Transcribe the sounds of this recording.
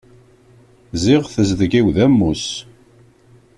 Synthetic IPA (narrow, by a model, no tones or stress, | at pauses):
ziʁθəzðəɡiwðæmːus